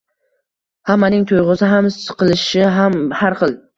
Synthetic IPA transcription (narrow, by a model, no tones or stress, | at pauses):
hamːanɪŋt̪ʰojʁʊsɪɦamsɨ̥qʰɨlˠɪʃɪɦamhaɾχɨlˠ